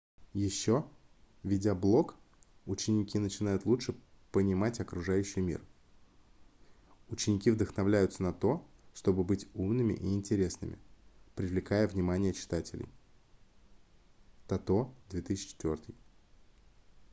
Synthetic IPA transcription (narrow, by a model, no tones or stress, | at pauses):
jɪɕːo̞ | vʲɪdʲablˠo̞k | ʊt͡ɕːɪnʲɪkʲinət͡ɕɪnajʊt̪lˠuʂɨ | pənʲɪmatʲɐkɾʊʐajʉɕːɪjmʲḭr | ʊt͡ɕːɪnʲɪkʲivd̪əxnɐvlʲæjʊt̪sənɐt̪o̞ʂt̪o̞bɨbɨtʲumnɨmʲɪ̰ʔiːnʲtʲɪɾʲe̞snɨ̰mʲɪ̰pɾʲɪvlʲɪkajəvnʲɪmanʲɪjət͡ɕɪ̥t̪atʲɪlʲɪ̰j | t̪ɐt̪o̞d̪vʲe̞t̪ɨsɪːɪ̥t͡ɕɪ̥t̪vʲo̞rt̪ɨj